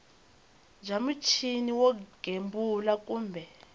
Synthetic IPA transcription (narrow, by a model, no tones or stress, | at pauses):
d͡ʒʱamut͡ʃʰiniwɔɡ̥ʱembʱulak̬ʼuːmbʱɛ